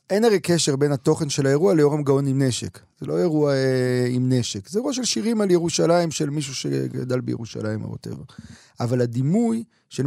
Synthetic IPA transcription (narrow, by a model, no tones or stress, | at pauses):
ʔe̞naʁekeʃe̞ʁbe̞nat̪o̞χenʃelaeʁualeo̞ʁemɡaonimneʃekz̥elo̞e̞ʁuaimneʃekzeeʁuaʃ̬elʃiʁimaljeʁuʃalaimʃe̞lmiʃ̬uʃḛɡa̰dalbejeʁuʃa̰laima̰bo̰tḛva̰ | avaladimuj | ʃel